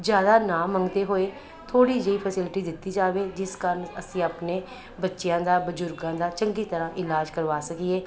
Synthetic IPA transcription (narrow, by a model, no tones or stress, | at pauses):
d͡ʒjaːd̪aːnaːməŋɡd̪eːɦoːeː | t̪ʰoːɽiːd͡ʒeiːpʰəsɪlʈiːd̪ɪt̪ːiːd͡ʒaːʋeːd͡ʒɪskaːɾənəsĩːaːpneː | bətːʃɪjãːd̪aːbəd͡ʒʊɾɡãːd̪aːt͡ʃəŋɡiːt̪əɾãːʔɪlaːd͡ʒkəɾʋaːsəkieː